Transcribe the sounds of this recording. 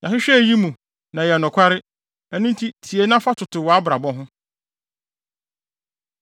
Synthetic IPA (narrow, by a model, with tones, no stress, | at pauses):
ɲã˨ɦɪ˦ɕᶣɛ˦˨ji˦mũ˨ | nã˨jɛ˨nʊ̃˨kʷʰa˦ɾɪ˦ | ɛ˦nũ˦n˦tʰi˦tʰi˨e˨˦nã˦fa˦tʰʊ˨tʰʊ˨wɔ˨a˦bɾa˨bɔ˦ɦʊ̃˦